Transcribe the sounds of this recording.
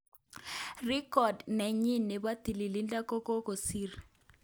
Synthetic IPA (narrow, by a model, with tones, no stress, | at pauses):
ri˦kɔ˨dnɛ˨ɲi˦ne˨ba˦t̪i˨li˨li˦nda˦ko˦ko˦ko˨si˦r